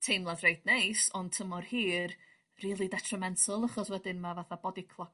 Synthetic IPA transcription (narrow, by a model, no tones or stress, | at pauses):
tʰejmlˠaðrejdnejsɔntʰəmɔrhiːr | riːlˠidɛtʰrəmɛntʰəlˠəχɔswɛdɪnmavaθabɔdikʰlˠɔ